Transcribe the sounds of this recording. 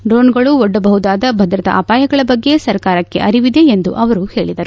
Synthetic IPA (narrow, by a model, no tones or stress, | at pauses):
ɖɾoːnɡɐɭuɔɖːɐbɐɦud̪aːd̪ɐbʱɐd̪ɾɐt̪ɐ̰ʔaːpaːjɐɡɐɭɐbɐɡːe̞sɐɾkaːɾɐkːe̞̰ʔɐɾiʋid̪e̞ːnd̪uʔɐʋɐɾuhe̞ːɭid̪ɐɾu